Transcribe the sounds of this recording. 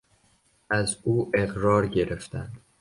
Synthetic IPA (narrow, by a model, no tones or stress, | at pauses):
ʔæzuːʔe̞ɣɾɒːɾɟe̞ɾeft̪ʰæ̰nd̪̥